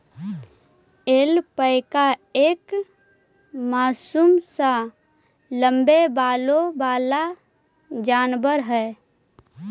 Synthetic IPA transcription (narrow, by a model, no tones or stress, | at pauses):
eːlpəɪkaeːk | maːsumsa | ləmbebaːlobaːla | d͡ʒaːnbəɾɦɛː